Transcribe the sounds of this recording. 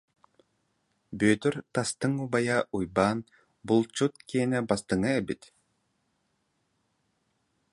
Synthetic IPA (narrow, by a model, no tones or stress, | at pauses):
bøːt̪yɾt̪ast̪ɯŋubajaʔujbaːn | bulˠt͡ɕut̪̚kinɛbast̪ɯŋaɛbit̪